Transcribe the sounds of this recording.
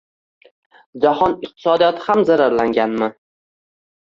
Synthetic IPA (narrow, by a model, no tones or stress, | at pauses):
d͡ʒahɒnɪq̚t̪ʰɪ̥sɒd̪ijɒt̪ʰɪhamzaɾaɾlaŋɡʲanma